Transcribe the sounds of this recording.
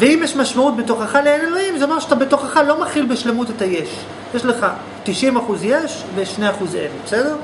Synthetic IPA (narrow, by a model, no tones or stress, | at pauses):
veimjeʃmaʃmaut̚beto̞χaχaleenloimzeamaʁʃeat̪abeto̞χaχalo̞maχilbeʃle̞mutetajeʃ | jeʃle̞χa | t̪iʃimaχuzjeʃ | veʃne̞jaχuzḛvbese̞deʁ